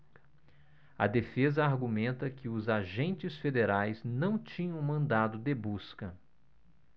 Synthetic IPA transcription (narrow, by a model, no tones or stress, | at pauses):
ɐ̰d̪efezɐaɾɡumẽnt̪ɐkɪʊzaʒẽnt͡ʃɪsfed̪eɾajznɐ̃w̃t͡ʃĩɲɐ̃w̃mɐ̃nd̪ad̪ʊd̪ebuskɐ